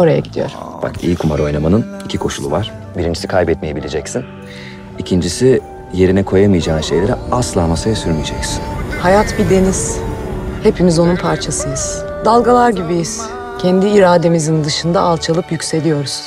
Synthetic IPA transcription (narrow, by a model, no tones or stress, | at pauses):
o̞ɾaja̰ɟid̪ijo̞̰ɾ̥b̥a̰kḭjikʰumaɾo̞jnamanɯn | icʰikʰo̞ʃulˠṵvaɾ̥ | biɾind͡ʒisikʰajbɛt̪mije̞bilʲed͡ʒɛcsin | icʰind͡ʒisi | je̞ɾinɛkʰo̞jamɯjad͡ʒaːnɯʃe̞jlʲe̞ɾɛaslˠaːmasajasyɾmijed͡ʒɛ̰csinhajat̪bid̪e̞niz̥ | he̞pʰimizo̞nunpʰaɾt͡ʃʰasɯjɯz̥ | d̪alˠɡalˠaɾɟibijiz̥ | cʰɛnd̪iːɾaːd̪e̞mizind̪ɯʃɯnd̪aːlˠt͡ʃʰalˠɯpjycʲse̞lʲijo̞ɾuz̥